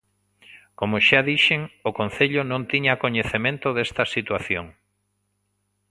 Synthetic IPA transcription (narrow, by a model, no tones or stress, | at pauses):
komʊʃaðiʃeŋʊkõn̟θeʎʊnõŋt̪iɲakoɲeθemẽnt̪ʊðest̪ɐsit̪waθjoŋ